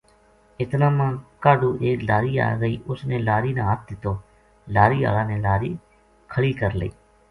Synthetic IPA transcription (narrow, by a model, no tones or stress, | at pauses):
ɪt̪nãːmãːkaːɖuːʔeːklaːɾiːa̰ːɡəiːʔʊsneːlaːɾiːnãːɦət̪̚d̪ɪt̪ːoː | laːɾiːa̰ːlãːneːlaːɾiː | kʰəɭiːkəɾlə̰ḭː